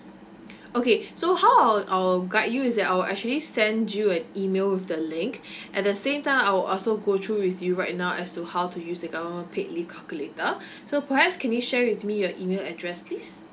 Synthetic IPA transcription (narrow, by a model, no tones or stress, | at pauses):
okesohawaʔaɪɡatjuɪsdɛtajwlʔɛ̰k̚t͡ʃuəlisɛ̃ndjuɛ̃nimelwɪfdəlɪ̃ŋkʔɛt̚dəsẽmtãɪ̃maɪwɪlʔɔlsoɡotʰɹuwɪθjuɹaɪt̚naʊʔɛstuhaʊtujusdəɡavəmə̃npʰeʔlikʰalkjuletə | sopəhɛpskʰɛ̃njuʃɛɹwɪθmijɔʔimelɛdɹɛspʰlis